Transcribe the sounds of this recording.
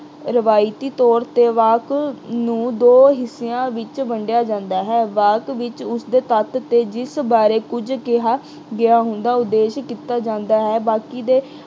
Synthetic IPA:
ɾəʋaːɪt̪iːt̪ɔːɾt̪eːʋaːknũːd̪oːɦɪseãːʋɪt͡ʃbəɳɖɪjaːd͡ʒãːnd̪aːɦɛːʋaːkʋɪt͡ʃʊsd̪eːt̪ət̪t̪eːd͡ʒɪsbaːɾeːkʊd͡ʒkeɦaː | ɡɪaːɦʊ̃nd̪aːʊd̪ːeːʃkiːt̪aːd͡ʒãːnd̪aːɦɛːbaːkiːd̪eː

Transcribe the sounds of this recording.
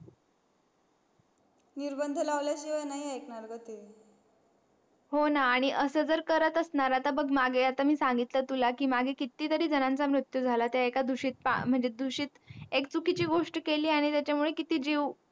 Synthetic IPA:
niɾbənd̪ʱəlaʋljaɕiʋajnaiaeknaɾɡət̪e | ɦonaːɽ̃iʔəsəd͡zəɾkəɾət̪əsnaɾat̪abəɡmaɡʱeat̪amiːsaŋɡit̪lət̪ulakiːmaɡʱekit̪iːt̪əɾiːd͡zənãnt͡samɾut̪jud͡zʱalat̪jaekad̪uɕiːt̪̚pa̰m̤əɳd͡zed̪uɕiːt̪ek̚t͡sukit͡ɕiːɡoʂʈkeliːaɽ̃it̪jat͡ɕamuɭekit̪iːd͡ʑiʋ

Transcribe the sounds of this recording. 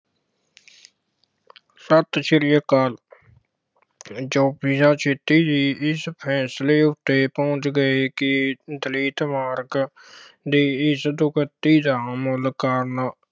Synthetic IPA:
sət̪ʃəɾɪjəkaːl | d͡ʒoːpiːd͡ʒãːt͡ʃʰeːt̪iːd̪iːɪspʰɛːsleːʊt̪ːeːpɔ̃ʊt͡ʃɡəeːkɪd̪əliːt̪maːɾɡ | d̪iːɪsd̪ʊkət̪iːd̪aːmoːlkaːɾnaː

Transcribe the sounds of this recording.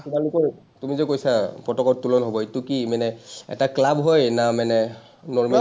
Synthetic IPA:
kumalʊkɔɹ | tumizɛkojsapɹɔtɔkɔɹtulɔnɦobɔitukimanɛɛ̰taklabɦojnamanɛ | nɔɹma

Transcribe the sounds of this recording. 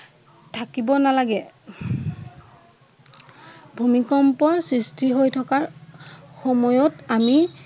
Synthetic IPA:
tʰakibɔnalaɡɛ | bʱumikɔmpɔɹsɹistʰiɦojtʰɔkaɹxɔmɔjɔtami

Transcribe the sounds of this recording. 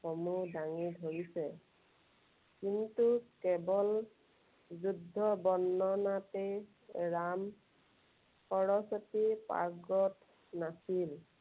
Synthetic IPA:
xɔmudaŋidʱoɹisɛ | kintukɛbɔl | zudʱːɔbɔnːɔnate | ɹam | kɔɹɔsɔtipa̰ɡɔt | nasil

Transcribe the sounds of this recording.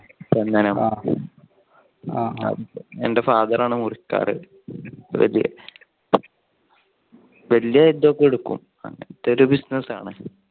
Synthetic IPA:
pend̪ɐnɐm | ɐ̰ende̞faːðɐraːɳɨmurikːa̰ːrɨ | ʋɐ̰ljɐ̰ | ʋelijɐid̪ːokːeɽukːṵm | ɐ̰ŋːɐnɐt̪ːoɾubisnɐsa̰ːɳɨ

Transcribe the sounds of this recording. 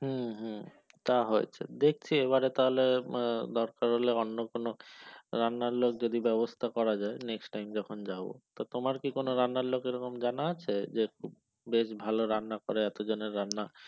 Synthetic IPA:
ɦũɦu | t̪aɦoet͡ɕʰḛd̪ek̚ʰt͡ɕʰieβaɾet̪aɦoled̪ɔɾkaɾɦoleɔnːokonoɾanːaɾlok̚d͡ʑod̪ibɛbost̪ʰakɔɾad͡ʑaeneksʈajmd͡ʑɔkʰond͡ʑabo̰t̪ot̪omaɾkikonoɾanːaɾlokeɾɔkomd͡ʑanaat͡ɕʰed͡ʑekʰub̚ | beʃbʱaloɾanːakoɾeɛt̪od͡ʑoneɾːanːa

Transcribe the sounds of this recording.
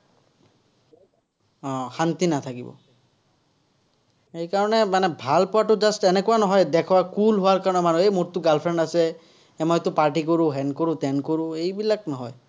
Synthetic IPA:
ɔ̃xant̪inat̪ʰakḭbɔ̰ | ejkaɹɔnɛmanɛbʱalpɔwaʈʊd͡ʒasʈɛnekʊanɔɦɔjd̪ɛkʰɔwakulɦʊwaɹkaɹɔnɛmanuejmoɹt̪ʊɡalpʰɹɛɳɖasɛ | ɛmɔjt̪ʊpaɹʈ̬ikoɹuɦɛnkoɹut̪ɛnkoɹũejbilak̚nɔɦɔj

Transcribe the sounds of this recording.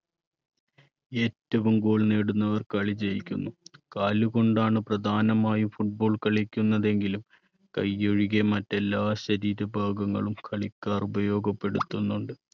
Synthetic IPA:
e̞ːtːɐʋumɡo̞ːɭneːɽunːɐʋɐrkɐɭid͡ʑejikʲːunːukaːluɣo̞ɳɖaːɳɨprɐd̪ʱaːnɐmaːjufuʈ̚bo̞ːɭkɐɭikʲːunːɐðe̞ŋɡilum | kɐjoɻiɣemɐtːe̞lːaːɕɐɾiːɾɐbʱaːɡɐŋːɐ̰ɭumkʰɐɭikʲːaːrubɐjo̞ːɡɐpːe̞ɽut̪ːunːuɳɖɨ

